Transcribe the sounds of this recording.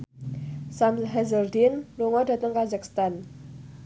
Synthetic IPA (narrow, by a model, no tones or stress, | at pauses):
samɦɛzərd̪inluŋɔdä̤t̪əŋkazak̚st̪an